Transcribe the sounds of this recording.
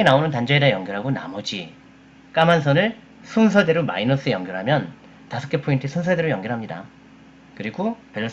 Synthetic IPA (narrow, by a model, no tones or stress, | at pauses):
enaonɯntand͡ʑʌedejʌŋɡjʌɾɦaɡona̰mʌd͡ʑi | k͈amans̬ʰʌnɯɭ | sʰunsʰʌde̞ɾoma̰inʌs͈ʰɯjʌŋɡjʌɾɦamjʌn | tasʰʌ̥k͈ʰepʰointʰesʰunsʰʌdeɾojʌŋɡjʌɾɦamɲida̰ | kɯɾiɡopeɭ